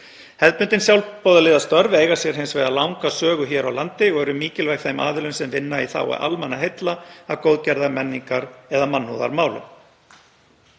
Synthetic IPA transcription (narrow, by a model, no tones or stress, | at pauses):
hɛðpʏnt̪ɪnsjawlpowðalɪːðast̪œɾvejɣḁsjɛɾ̥ɦeɪnsvejɣðalawŋkasœːɣʏçjɛːɾawlant̪ɪɔɣɛɾʏmiːcɪlvajkθejma̰ːðɪlʏnsɛmvɪnːaiθa̰wɛ̰ɾʔa̰lmɛnːaɦejt̪laavkowðcɛɾðamɛnːiŋkaɾɛðamanːhuða̰ɾmaːwlʏ̰m